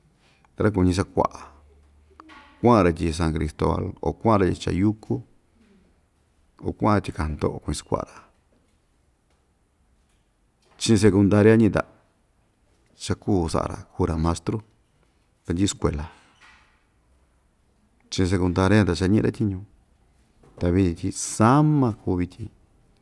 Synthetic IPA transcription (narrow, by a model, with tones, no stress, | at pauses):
ɾa˦k̬u˧˨ɲĩ˧s̬a˧kʷa̰˨ʔa˨ | kʷã˦˧ɾa˧tʲi˧s̬ã˧ŋkɾi˧st̪o̰˧βa̰˧lo̰˨kʷã˦˧ɾa˧i˧t͡ʃa̰˧ju˦kʰu˦ | o̰˨kʷã˦˧a˧t̪ʲi˧ka˨nd̪o̰˧˨ʔo˧ku˧ɲĩ˧sḁ˧kʷa̰˧ʔɾa˨ | t͡ʃĩ˧s̬e˧ku˧nd̪a˧ɾja˦ɲĩ˧t̪a̰˨ | t͡ʃa˧kuː˦˨sa̰˨ʔa̰˧ɾa̰˨ku˧ɾa˨˧mã˧st̪ɾo˦ | t̪a˧nd̪ʲi˦˧skʷḛ˨la˨ | t͡ʃĩ˧s̬e˧ku˧nd̪a˧ɾjt̪a˨t͡ʃa˧ɲĩ˦˧ɾa˦t̪ʲi˧ɲũ˧ | t̪a˧βi˧t̪ĩ˧t̪ʲi˧sa˦mã˧kuː˧βi˧t̪ʲʰĩ˧